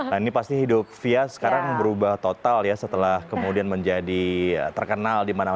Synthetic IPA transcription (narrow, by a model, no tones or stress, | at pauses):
inipast̪iɦidʊp̚fiasə̥kaɾaŋbəɾubaht̪ot̪aljasət̪əlahkəmudianməɲd͡ʒadiət̪ərkənaldimana